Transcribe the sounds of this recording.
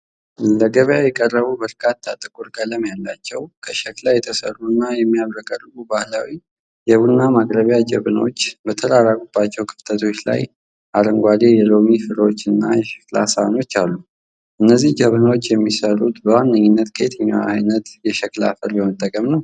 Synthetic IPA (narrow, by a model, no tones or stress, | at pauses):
ləɡəβjajɛkʼərːəβubəɾkʰat̪ʰːat̪ʼɨkʼuɾɡələmjalːat͡ʃːɛwkʰəʃɛklajɛt̪ʰəsə̰rːuɨnːajɛmːijaβɾəkʼarɨkubahlawi | jɛβunːamaɡɾəβjad͡ʒəβnəwot͡ʃːbət̪ʰəɾaɾaɡubːat͡ʃːɛwkʰɨ̥ft̪ʰət̪ʰo̞t͡ʃːla̰j | ʔaɾəŋɡʷad̪ejɛlo̞mifɨɾəwot͡ʃːɨnːa̰jɛʃɛ̥kla̰sano̞t͡ʃːalːu | ʔɨnːəzːihd͡ʒəβnəwot͡ʃːjɛmːisəɾut̪bəwanːəɲːɪnːət̪kʰet̪ʰəɲːawaajnət̪jɛʃɛkla̰fɨɾjɛmət̪ʼːəkʼəmnəw